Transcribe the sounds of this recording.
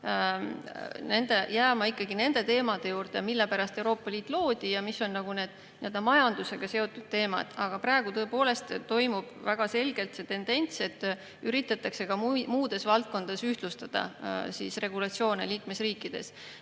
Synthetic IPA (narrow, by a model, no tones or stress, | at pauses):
ne̞nd̪̥e̞jæːmɑikːˑɑɡine̞nd̪̥e̞t̪e̞ːmɑd̪e̞juːrd̪̥emilːepæɾɑst̪e̞uwɾo̞ːpːɑliːt̪ːˑlo̞ːd̪̥ijɑmisːo̞nːɑɡ̥une̞ːd̪̥ | nie̞ld̪ɑmɑjɑnd̪̥use̞ɡ̥ɑse̞o̞t̪ːˑud̪̥̚t̪e̞ːmɑ̰d̪̥ɑɡ̥ɑpɾɑe̞ɡ̥ut̪ɤ̞epo̞ːle̞st̪t̪ːo̞jmub̥væɡ̥ɑse̞lɡ̥e̞lt̪se̞t̪e̞nd̪̥e̞nʲt̪se̞t̪ːˑ | yɾit̪ːˑɑt̪ːˑɑkse̞kɑmmuːd̪̥e̞svɑlt̪̚ko̞nd̪̥ɑsyht̪lust̪ɑd̪̥ɑ̰sḭsre̞ɡ̥ulɑt̪sio̞ːnḛliːkmesriːkːˑid̪̥e̞̰s